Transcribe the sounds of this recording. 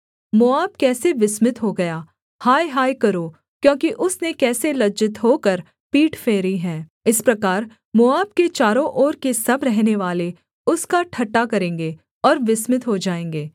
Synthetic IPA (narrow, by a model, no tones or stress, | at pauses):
mʊaːbkɛːseʋɪsmɪt̪ɦoɡɐjaː | haːjɦaːjkɐɾoː | kjõːkiʔʊsnekɛːselɐd͡ʒɪt̪ɦoːkɐɾ | piːʈfʰeːɾiɦɛ̃ːɪspɾɐkaːɾ | mʊaːb̚ket͡ʃaːɾõʔɔːɾkesɐbɾɛɦneʋaːle | ʊskaʈʰɐʈːakɐɾẽːŋɡe | ɔːɾʋɪsmɪt̪ɦod͡ʒaːẽːŋɡeː